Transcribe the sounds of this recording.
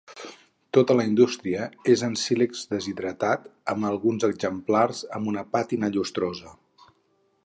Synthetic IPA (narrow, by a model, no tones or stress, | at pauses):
t̪ot̪ələind̪ust̪ɾiəezənsilekz̥d̪əziðɾət̪at̪əməlˠɣunzəɡzəmplarzəmbunəpat̪inəʎust̪ɾozə